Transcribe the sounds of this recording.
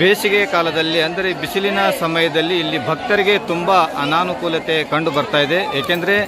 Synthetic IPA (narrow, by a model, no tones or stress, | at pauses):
beːʃiɡekaːlɐd̪ɐlːiɐnd̪ɐɾe̞bisilinɐsɐmɐjɐd̪ɐlːiːlːibʱɐk̚t̪ɐɾiɡe̞t̪umbaɐnaːnukuːlɐt̪e̞kɐɳɖubɐɾt̪aːjid̪e̞eːkend̪ɐɾe̞